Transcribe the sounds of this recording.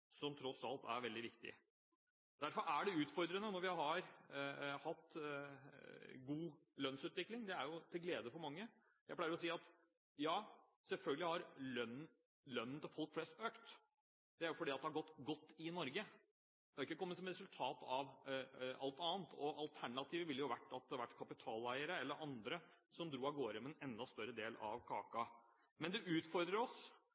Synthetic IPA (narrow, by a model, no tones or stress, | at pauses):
sɔmt̪ʰɾɔsɑlt̪æ̰ɾʋɛld̪ɪʋɪkt̪ɪ̰ | d̪æɾfɔɾʔæɖɛʉːt̪fɔɾd̪ɾənənɔɾʋɪhɑhɑɾ | hɑt̪ː | ɡuː | lœnsʉːt̪ʋɪklɪŋd̪ɛæɾjʊt̪ʰɪlɡleːd̪əfɔɾmɑŋːə | jæɪplæɪəɾɔsiːɑt̪ | jɑː | sɛlfœlɡələhɑɾlœnːn̩ | lœnːnt̪ɪlfɔlkflɛst̪øːkt̪ | d̪ɛæɾjʊfɔɖiːɑt̪d̪ɛhɑɾɡɔt̪ːɡɔt̪ːɪnɔɾɡə | d̪ɛhɑɾɪkːəkɔmːət̪sɔmɾɛsʉlt̪ʰɑːt̪ʰɑʋ | ɑlt̪ɑːnt̪ʰɔʔɑlt̪ʰæɳɑt̪ʰiːʋəʋɪlːjʊʋæʈːɑt̪̚d̪ʋæʈːkʰɑpɪt̪ʰɑːlæɪəɾəɛlːəɾʔɑnd̪ɾəsɔmd̪ɾuːɑɡoːɾəmɛɛnɛnd̪ɑst̪œɾəd̪eːlɑ̰ʋkʰɑ̰ːkɑ | mɛnd̪ɛʔʉːt̪fɔɾd̪ɾəɾɔs